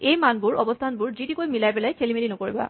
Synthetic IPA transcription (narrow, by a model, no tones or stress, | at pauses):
ejmanbʊɹɔ̰bɔstʰanbʊɹzitikojmilajpɛlɛjkʰelimelinɔkoɹiba̰